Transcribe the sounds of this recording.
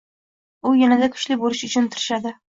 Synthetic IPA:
ʊjanad̪akʰʊ̥ʃlɪbolɪʃʊt͡ʃʰʊnt̪ʰʊɾɪʃad̪ɪ

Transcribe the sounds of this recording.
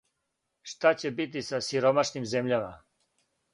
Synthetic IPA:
ʂt̪at͡ɕebit̪̬isasiɾomaʃnimzemʎama̰

